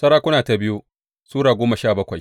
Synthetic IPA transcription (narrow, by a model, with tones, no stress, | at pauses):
sɐ˦ɾaː˦kʷʊ˦naː˨ta˨bɪ˦ju˦ | suː˦ɽaː˨ɡʷoː˦mɐ˨ʃaː˦˨bɐ˦kʷa˨j